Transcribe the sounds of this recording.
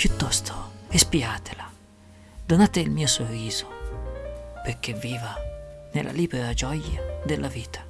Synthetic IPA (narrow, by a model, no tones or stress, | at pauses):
pjut̪ːɔst̪ʰo̥espiaːt̪ʰela | d̪onaːt̪eilmiːosorːiːz̥o̥ | perk̟evːiːvanelːʔa̰liːbeɾad͡ʒɔjad̪elːʔaviːt̪ʰḁ